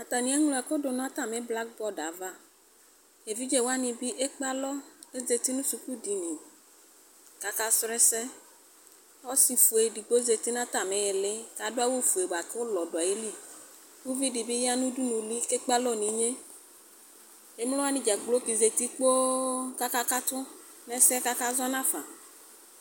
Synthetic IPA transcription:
a˨t̪a˨nĩ˦e˦ŋlo˨˦a˨ke˦o˦do˨nɔ̃˦a˦t̪a˨me˨˦bla˦k̚bɔ˦da˨va˦ | e˨vi˦d͡ʒe˦wo˦a˦nĩ˨bi˦ʔe˦k͡pa˦lɔ˦e˦ze˨t̪i˦nũ˦su˨ku˦di˨nĩ˨ | ka˨ka˦sɾɛ˦sɛ˦ | ɔ˦si˨fu˨e˨ɖi˨ɡ͡bo˦ze˨t̪i˦nã˦t̪a˨mẽ˨je˨le˦ka˨do˦a˦wo˦fu˨e˨ɡ͡ba˨ke˦wo˦lɔ˨do˨a˨je˦li˦ | ku˦vi˦di˨bi˦ja˦nũ˦du˦nũ˨li˦ke˦k͡pa˦lɔ˦˨nĩ˨ɲe˦ | e˦mlɔ˦a˦nĩ˨d͡ʒa˨ɡ͡blo˦ki˨ze˨t̪i˦k͡po˦ka˦ka˦ka˦t̪ʊ˦ | nɛ˨sɛ˦ka˦ka˦zɔ˦nã˦fã̰˨

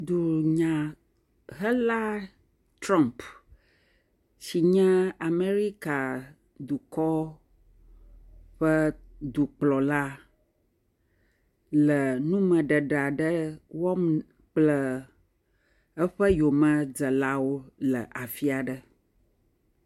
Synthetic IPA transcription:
d̪u˨ɲã˨ | ɦə˦la˦ | t̪ɾã˦mp | si˨ɲɛ̃˦a˨me˦ɾi˦ka˨ | d̪u˨kɔ˦ | ɸə˦d̪u˨k͡plɔ˨la˦ | lə˨nũ˦mə̃˨ɖə˨ɖa˨ɖə˦wɔ˦m | k͡plə˨ | ə˦ɸə˦jo˨mə̃˦d͡zə˨la˦wo˦lə˨ʔa˨fi˦a˨ɖə˨

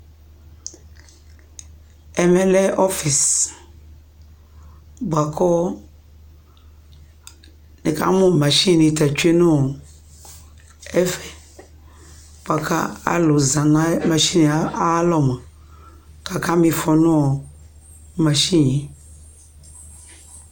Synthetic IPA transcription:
ɛ˨mɛ˦lɛ˦ʔɔ˦fi˨s | bwa˨kʰɔ˦ | nɪ̃˨ka̰˦mʊ̃˦˨mã˨ʃi˦˨nĩ˨ta˨t͡ʃu˦e˦nʊ̃˦ɔ˨ | ɛ˦fɛ˨ | b̥a˨kʰa̰˦a̰˦lʊ˨zã˨nã˦ma˨ʃi˦n˨a˦a˦lɔ˨ma˨ | ka˨ka˦mĩ˨fɔ˨nʊ̃˦ɔ˨ | mã˨ʃĩ˦˨ɲɛ̃˨˦

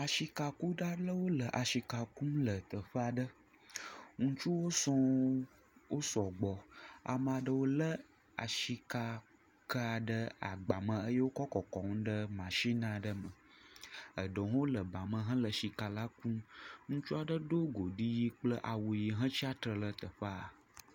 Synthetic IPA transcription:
a˨ʃi˨ka˨ku˦ɖa˦ɖə˦wo˦lə˨ʔa˨ʃi˨ka˨ku˦mlə˨t̪ə˨ɸə˦a˨ɖə˦ | ŋũ˦t͡ʃu˦wo˦sɔ˦ | wo˦sɔ˨ɡ͡bɔ˨a̰˨m˨a˨ɖə˦wo˦lə˦ | a̰˨ʃi˦ka˨ | kə˦a˨ɖə˦a̰˨ɡ͡ba˨mə̃˨ə˦je˦wo˦kɔ˦kɔ˨kɔ˨ŋũ˦ɖə˦mã˨ʃi˦nã˨ɖə˦mə̃˨ | ə˨ɖə˨ɦo˦lə˨ba˨mə̃˨ɦə̃˦lə˨ʃi˨ka˨la˦kũ˦ŋũ˦t͡ʃu˦a˨ɖə˦ɖo˦ɡo˨ɖi˦ji˦k͡plə˦ʔa˨wo˨ji˨ɦə̃˦t͡ɕi˦a˦t̪ɾə˨lə˨t̪ə˨ɸə˦a˨

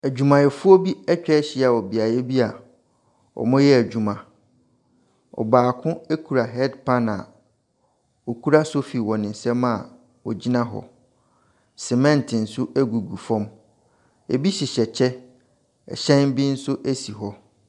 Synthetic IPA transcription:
æ˨d͡ʑᶣu˨mã˨jɛ˨fʊ˦o˦bi˦ɛ˦t͡ɕᶣɛ˦ɕɪ˦˨a˨ɔ˨bi˨a˨jɛ˦bi˦a˨ | ɔ̰˨mʊ̃˦jɛ˦æ˨d͡ʑᶣũ˨mã˨ | ɔ̰˨baː˨kʰʊ̃˦e˦kʰu˨ɾa˨ɦɛ˦dpʰã˦na̰˨ | wo˨kʰu˦ɾa˦so˦fi˨wɔ˨nɪ̃˨n˨sɛ˦mã˦˨ | wɔ̰˨d͡ʑi˦nã˦ɦɔ̰˨ | sɛ˨mɛ̃˦ntʰɪ̃˨n̩˨sʊ˦æ˦ɡu˨ɡu˨fɔ̃˦m | ḛ˨bi˦ɕɪ˨ɕɛ˨t͡ɕʰɛ˦ | ɛ̰˨ɕɛ̃˦nbi˦n̩˦sʊ˦ʔæ˦si˨ɦɔ˦

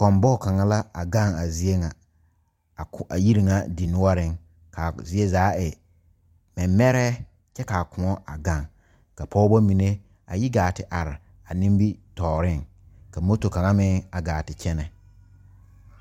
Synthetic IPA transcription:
kɔ˨mbɔ˦˨ka˨ŋa˦la˦a˨ɡa˦˨ŋa˨zi˦e˦ŋa˨ | a˨ji˦ɾi˨ŋa˦di˨nʊ˦ɔ˦ɾɪ˦ŋ | ka˨zi˦e˦zaː˨˦ɪ˨ | mɛ˨m˦mɛ˦ɾɛ˦ | t͡ʃɛ˦ka˨kʊ˨ɔ˦a˨ɡa˦˨ŋ | ka˨pʰɔ˦bɔ˦mi˨ne˦ | a̰˨jɪ˦ɡaː˨tɪ˨ʔa˨ɾɪ˨ | a˨nĩ˦mbi˦tɔː˨ɾɪ˦˨ŋ | ka˨mo˦to˨ka˨ŋa˦mɪ̃˦a˨ɡaː˨tɪ˨t͡ʃɛ˦nɛ˨

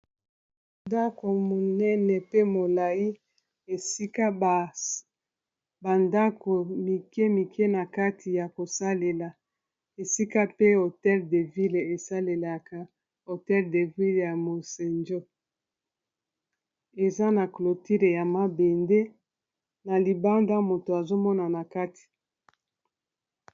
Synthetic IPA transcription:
nda˦ko˨mo˨nɛ˦nɛ˨pe˦mo˨la˨ji˦ | e˨si˦ka˦˨ | ba˨nda˦ko˨mi˨ke˦mi˨kʰɛ˦na˨ka˦tʰi˨ja˨ko˨sa˦le˨la˨ | e˨si˦ka˦pe˦o˨tɛ˦lde˨vi˦le˨e˨sa˦le˨la˨ka˨ | o˨tɛ˦lde˨vi˦lja˨mo˨se˨nd͡ʒo˦ | e˨za˦na˨klo˨ti˦ʁe˨ja˨ma˦be˨nde˦ | na˨li˨ba˦nda˦mo˨to˨a˨zo˦mɔ˦na˨na˨ka˦tʰi̥˨

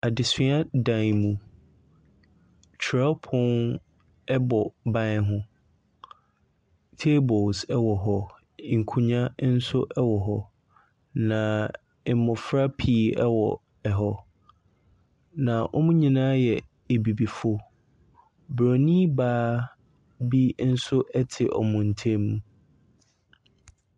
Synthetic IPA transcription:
a˨dɪ˨sɪ̃˦a˦dã˨mũ˨ | t͡ɕʰɾa˦pʰʊ̃˦n | ɛ˦bɔ˨bã˦ɦʊ̃˦ | tʰe˦bɔ˨lsɛ˦wɔ˨ɦɔ˦˨ | ŋ̩˨kʰũ˨ɲã˦n̩˦sʊ˦ʔɛ˦wɔ˨ɦɔ˦ | nã˨˦ | mʊ̃˨fɾa˦pʰi˨˦ɛ˦wɔ˨ | ɛ˨ɦɔ˦ | nã˨ʔɔ̰˦mũ˦ɲĩ˨nãː˦jɛ˨ | e˨bi˨bi˨fɔ˦ | bɾo˨nĩ˦baː˦ | bi˦n̩˦sʊ˦ʔɛ˦tʰɪ˨ʔɔ̰˨mʊ̃˨n̩˨tʰẽ˦mũ˦

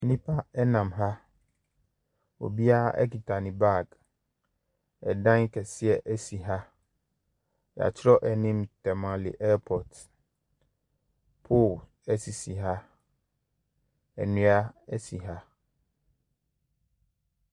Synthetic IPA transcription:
nĩ˦pʰa˦ɛ˦nã˨mɦa˦ | o̰˨bi˦a˦ʔɛ̰˦ki˨tʰa˨nɪ̃˨ba˦˨k | ɛ˨dã˦ŋ˦kʰɛ˨sɪ˦ɛ˨ʔɛ˦si˨ɦa˦ | ja̰˨t͡ɕʰɪ˦ɾɔ˦ʔɛ˨nĩ˦mtʰɛ˨mã˨lɪ̰˨ʔɛ˦pʰɔ˨t | pʰo˦˨l | ɛ˦si˨si˨ɦa˦ | ɛ̰˨nʊ̃˦a˦ɛ˦si˨ɦa˦

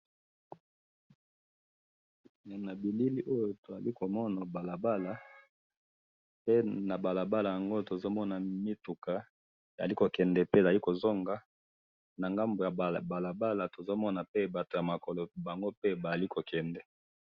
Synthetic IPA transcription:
na˨bi˨li˦li˦ʔo˦jo˨to˨za˨li˦ko˨mɔ˦na˨ba˨la˨ba˦la˨ | pe˦na˨ba˨la˨ba˦la˨ja˨ŋɡo˦to˨zo˦mɔ˦na˨mi˦tu˨ka˨ | e˨za˨li˦ko˨kɛ˨ndɛ˨pe˦e˨za˨li˦ko˨zo˦ŋɡa˦ | na˨ŋɡa˦mbo˨ja˨ba˨la˨ba˦la˨to˨zo˦mɔ˦na˨pe˦ba˨to˨ja˨ma˨kɔ˨lo˨ba˨ŋɡo˦pe˦ba˨a˨li˦ko˨kɛ˨ndɛ˨

